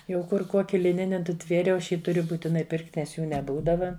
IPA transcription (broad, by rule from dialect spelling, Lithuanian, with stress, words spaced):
jɛʊ ˈkʊr ˈkoːkʲɪ lʲɪˈnʲɪnʲɪ nʊˈtʲʋʲeːrʲɛʊ ˈɐʃ ˈjiː tʊˈrʲʊ buːtʲɪˈnɐɪ ˈpʲɪrktʲ nʲɛs ˈjuː nʲɛˈbuːdɐʋɐ